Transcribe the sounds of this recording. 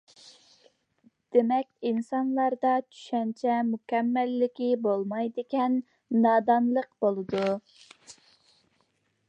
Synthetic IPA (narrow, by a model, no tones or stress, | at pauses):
d̪̥emɛkʲinsɑnlˠɑɾd̪ɑt͡ʃʰy̥ʃɛnt͡ʃʰɛmukʲɛmːɛlːɪkʲibolˠmɑjd̪ekʲɛnː | ɑːd̪ɑnlˠəqbolˠɨd̪u